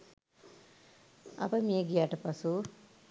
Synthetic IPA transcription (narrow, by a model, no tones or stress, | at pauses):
ɐ̰bɐmijeɡijaːʈɐpɐsu